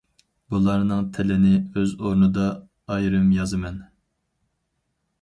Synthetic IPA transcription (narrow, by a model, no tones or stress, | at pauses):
bulˠɑɾnɨŋt̪ʰɪlɪnɪøzoɾnɨd̪ɑː | jɾɨmjɑzɨmɛn